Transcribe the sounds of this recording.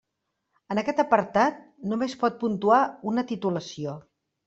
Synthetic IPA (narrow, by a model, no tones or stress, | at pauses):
ənəkɛt̪əpəɾt̪at̪̚numespɔt̪̚punt̪uaunət̪it̪uləsio